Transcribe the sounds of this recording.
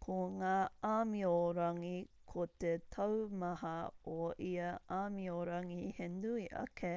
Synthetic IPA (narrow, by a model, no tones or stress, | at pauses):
kʰoŋaːamioɾɐŋikʰot̪etʰɐwmɐɦɐoʔiɐʔaːmioɾɐŋihenuiʔɐ̰kʰe